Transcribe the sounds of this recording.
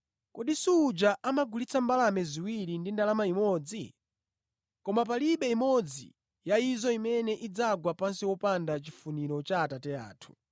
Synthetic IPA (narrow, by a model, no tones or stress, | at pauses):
kɔɗisuːd͡ʒaʔamaɡulit͡sʰambalamɛziwiɾindindalamaimɔd͡zi | kɔmap̬aliɓɛimɔd͡zḭ | jaizɔimɛnɛʔid͡zaɡwapansiwɔpandat͡ʃifuniɾɔt͡ʃaːtatɛa̰ːtʰu̥